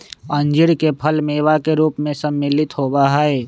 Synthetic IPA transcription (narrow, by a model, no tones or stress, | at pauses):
ə̃ɲd͡ʒɪɾkepʰəlmeːʋakeɾuːpmẽsɐmːɪlɪt̪ɦoːbaɦaeː